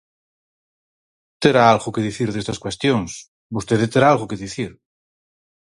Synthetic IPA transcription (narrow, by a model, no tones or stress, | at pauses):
t̪eɾaalɣokeðiθiɾðest̪askwest̪joŋs | bust̪eðet̪eɾaalɣokeðiθiɾ